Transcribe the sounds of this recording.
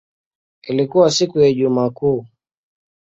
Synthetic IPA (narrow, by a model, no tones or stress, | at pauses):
ilikuwasikujaiʄumaːkuː